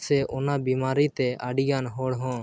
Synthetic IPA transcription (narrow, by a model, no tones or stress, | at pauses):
sɛʔʊnabimaːɾit̪ɛaɖiɡanɦɔɽɦɔ̃ː